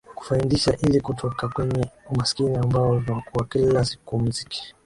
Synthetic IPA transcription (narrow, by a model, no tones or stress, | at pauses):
ku̥faindiʃaʔilikutʰɔkakwɛɲɛumasi̥kiniambaɔvinakuwakilasi̥kum̩ziki̥